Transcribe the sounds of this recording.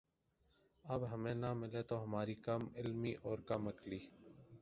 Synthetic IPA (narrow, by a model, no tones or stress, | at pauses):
əbɦəmẽːnamɪleːt̪oɦɐmaːɾikəmɪlmiːʔɔːɾkəməkliː